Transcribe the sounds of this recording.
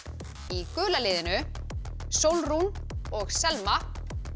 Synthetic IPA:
ikʏːlalɪːðɪnʏ | sowlrunɔɣsɛlma

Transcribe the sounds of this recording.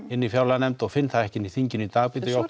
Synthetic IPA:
ɪnːifjawlanɛmt̪ɔɣfɪnθaðɛhcɪnːiθiɲcɪnit̪aːɣpɪt̪jow

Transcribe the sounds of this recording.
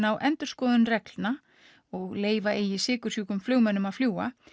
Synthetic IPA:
nawʔɛnt̪ʏɾ̥skɔːðʏnrɛklna | ɔɣleːjvaʔejɪsɪːkʏɾ̥suːkʏmflœːɣmɛnːʏmaðfljuːa̰

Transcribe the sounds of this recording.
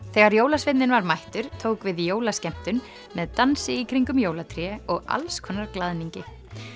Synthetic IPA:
θɛɣaɾjoːwlasvɪt̪nɪnvaɾmajht̪ʏɾ̥t̪ʰoːwkvɪðjoːwlascɛm̥t̪ʏn | mɛðt̪ansɪikʰɾiŋkʏmjoːwlat̪ʰɾjɛɔɣa̰lskʰɔnːaɾklaðniɲcɪ

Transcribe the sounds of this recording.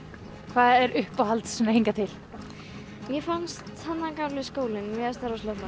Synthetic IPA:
kʰvaːðɛɾʏhpawhalt̪ssɛmheŋkat̪ʰɪl̥ | jɛfanst̪hanːakalɪskoːwlɪnmɛɣast̪aɾast̪ɔhma

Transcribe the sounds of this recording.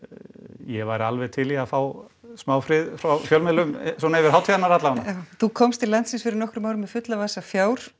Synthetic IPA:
jɛvaːjɾalvɛðt̪ʰɪlɛafaːwsmaːwfɾɪðfɾawfjœlmɛðlʏmsɔnaɛvɪɾhaːwt̪ʰiðanaɾat̪laanaaθukʰɔmst̪ʰɪlant̪sɪnsfɪɾɪɾnɔhkɾʏmaːwɾʏmɪfʏt̪lavasafjaːwɾ̥

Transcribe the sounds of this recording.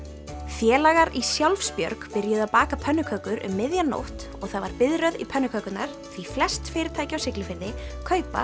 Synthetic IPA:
fjɛːlaɣaɾisjawlfspjœɾkpɪɾjʏðapaːkapʰœnːʏkʰœkʏɾʔʏ̰mːɪðjanːo̰wht̪ | ɔɣθaðvaɾpɪðɾœðipʰœnːʏkʰœkʏt̪naɾ̥ | θviflɛst̪fɪːɾɪt̪ʰaːjcɪawsɪklɪfɪɾðɪkʰœːɥpa̰

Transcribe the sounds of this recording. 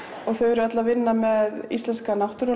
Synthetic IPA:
ɔɣθœɥɛɾʏat̪lavɪnːamɛðist̪ɛnskanawht̪ʏɾʏ

